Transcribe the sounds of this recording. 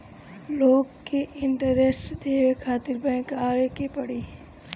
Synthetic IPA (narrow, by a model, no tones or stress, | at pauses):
loːɡkeʔɪɳʈəɾesʈd̪eːʋekʰaːt̪ɪɾbɛ̃ŋkaːekepɐɽiː